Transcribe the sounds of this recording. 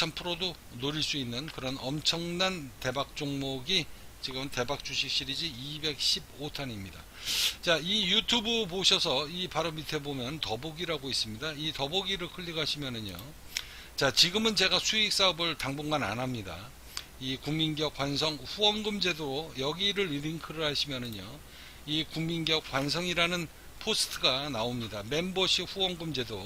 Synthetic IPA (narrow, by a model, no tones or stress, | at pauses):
ampʰɯɾodo | noɾiɭs͈uinːɯnkɯɾʌnʌmt͡ɕʰʌŋnante̞bak̚t͡ɕ͈oŋmoɡi | t͡ɕiɡɯmɯnte̞bak̚t͡ɕ͈uɕʰik̚ɕ͈iɾid͡ʑiibe̞k̚ɕ͈ʰib̚otʰanimɲida̰ | t͡ɕaijutʰubɯp̬oɕʰʌsʰʌipaɾomitʰe̞bomjʌntʌboɡiɾaɡois͈ɯmɲidaitʌboɡiɾɯɭkʰɯʎːiɡaɕʰimjʌnɯɲo̰ | t͡ɕat͡ɕiɡɯmɯnt͡ɕe̞ɡasʰuik̚s͈aʌbɯɭtaŋboŋɡana̰nɦamɲida̰ | ikuŋminɡjʌk͈ːwansʰʌŋɸuwʌŋɡɯmd͡ʑe̞dojʌɡiɾɯɾiɾiŋkʰɯɾɯɭɦaɕʰimjʌnɯɲo̰ | ikuŋminɡjʌk͈wans̬ʰʌŋiɾanɯn | pʰos͈ʰɯ̥tʰɯɡanaomɲidame̞mbʌɕʰiɸuwʌŋɡɯmd͡ʑe̞do